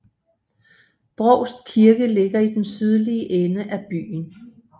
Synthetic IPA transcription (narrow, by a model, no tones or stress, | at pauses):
b̥ʁɔʊsd̥kʰiɐɡ̥əle̝ɡ̥ɐid̥ensyð̞ˠliəʔenəʔæb̥y̰ːn̩